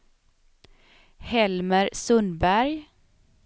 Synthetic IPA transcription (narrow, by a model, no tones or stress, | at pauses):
hɛlməɾsɵnbæɾj